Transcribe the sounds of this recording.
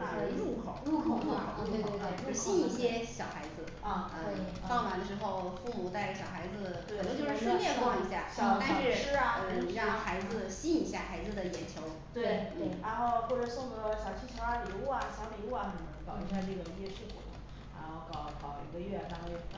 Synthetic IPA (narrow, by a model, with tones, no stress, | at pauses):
na˨˩ə˧˥u˥˩kʰo˨˩˦ʊu˥˩kʰo˧˩ʊɻu˥˩kʰo˨˩˦t͡ɕo˧ʂ̩˥ɕi˥˧ni˥˩ɕjɛ˥ɕjɑ˨˩ʊxa˧˥ɪd͡zɹ̩˧ə˥˧ | fɑ˥˧ŋwa˧˥nd̪ə˧˩ʂɻ̩˧˥xo˥˧ʊfu˥˩mu˨˩t͡sa˥˩ɪɕjɑ˨˩xa˧˥ɪd͡zɹ̩˧ | e˥˧˩t͡ɕjʂɻ̩˥ʂə˥mjjɛ˥˧wɑ˥˩ŋi˧˥ɕja˥˩ɕɑ˨˩a˥˧˥ʂɻ̩˥ɐ˨˩˧ɻɑ˥˧˩xa˧˥ɪd͡zɹ̩˧ɕi˥˧ni˧˥ɕja˥˩xa˧˥ɪd͡zɹ̩˧d̪ə˩jɛ˧˥nt͡ɕʰjo˧˥ʊ | t̪we˥˩ɪn̩˥˩ɻa˧˥nxo˥˧ʊxwɔ˥˩ʈ͡ʂə˩sʊ˥˩ŋɡə˧˥ɕjɑ˨˩ʊt͡ɕʰy˥˩t͡ɕʰɑ˧˥a˧˥ni˨˧˩u˥˩ɐ˨˩ɕja˧˥mi˨˧˩u˥˩a̰˨˩nə˧˩˧ə˧˥ŋkɑ˨˩ʊi˧˥ɕ̬ja˥˧nə˥˩ɡə˩˧jɛ˥˧ʂ̩ʰ˥˩kṵ˨˩lə̰˧˥˦ | ɻa̰˧˥nxo˥˩ʊkɑ˨˩˦ʊkɑ˨˩ʊḭ˧˥ɡə˧ɥɛ˥˩t̪